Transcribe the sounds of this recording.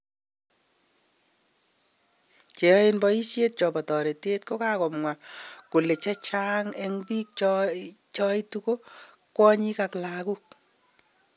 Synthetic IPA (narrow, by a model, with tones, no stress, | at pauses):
t͡ʃe˨˦i˦nbɔ˦i˦sje˦t̚t͡ʃɔ˨bɔ˨tɔ˨ɾe˨te˦tko˦kakɔ˨mŋwa˨ku˨le˨t͡ʃɛ˦t͡ʃa˦ŋɛ˨ŋbi˦k̚t͡ʃ | t͡ʃɔ˦i˦tuko˦ | kwɔ˦ɲi˦ka˨kla˨ku˦k̚